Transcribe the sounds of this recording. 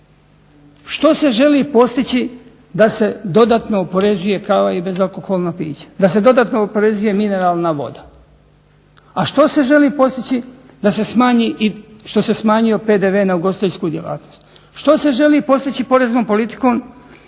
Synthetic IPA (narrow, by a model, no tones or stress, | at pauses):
ʃt̪o̞se̞ʒe̞lipo̞st̪it͡ɕi | d̪ase̞d̪o̞d̪aːt̪no̞ːpo̞ɾe̞zuje̞kaʋaibe̞zalˠko̞xolˠnapḭːt͡ɕḁd̪as̬e̞d̪o̞d̪aːt̪noːpo̞ɾe̞zuje̞mine̞ɾaːlˠnaʋo̞̰d̪a | aʃt̪o̞se̞ʒe̞liːpo̞st̪it͡ɕi | d̪ase̞smaːɲiʔiʃt̪o̞se̞smaːɲijo̞pe̞ːd̪eʋenauɡo̞st̪eʎskuːd̪ʲjela̰ːt̪no̞st̪ | ʃt̪o̞se̞ʒe̞liːpo̞st̪it͡ɕipo̞ɾe̞znompo̞lit̪i̥ko̞ːm